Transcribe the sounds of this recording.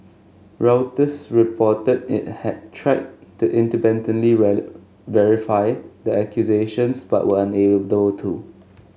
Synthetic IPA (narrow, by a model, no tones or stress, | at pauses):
ɹaʊtəsɹipʰɔtədɪ̰t̚hɛd̚tʰɹaɪd̚tuʔɪ̃ntəbɛ̃ntə̃nli | vɛɹifaɪdəɛkʰjuzeʃə̃nsba̰ʔwəãnedəbəltʰu